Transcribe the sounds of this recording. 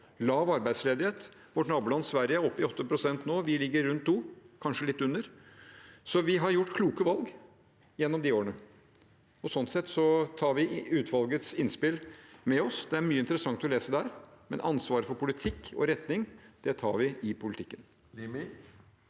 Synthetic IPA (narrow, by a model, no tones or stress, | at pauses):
lɑːʋɑɾbæɪsleːd̪ɪheːt̪ | ʋɔʈnɑːbʉːlɑnːsʋæɾjəɾɔpːɪɔt̪ːəpʰɾʊsɛnt̪noːʋɪlɪɡːəɾɾʉnt̪̚uːkʰɑnʂəlɪt̪ːʉnːəɾ | sɔʋɪɦɑɾjʊʈːkʰluːkəʋɑlɡ | jɛnːɔmd̪ioːɾəɳə | ɔsɔnt̪sɛt̪ːsɔt̪ʰɑːɾʋɪʉːt̪ʰʋɑlɡət̪sɪnspɪlmɛɔsd̪ɛæɾmyːəɪnt̪ɾəsɑŋt̪ɔleːsəd̪æɾmɛ̰nʔɑnsʋɑːɾəfɔɾpʊlɪt̪ʰɪkːɔ̰ɾɛt̪nɪŋd̪̥ɛt̪ʰɑ̰ːɾʋɪʔɪpʰʊlɪt̪ʰɪkːən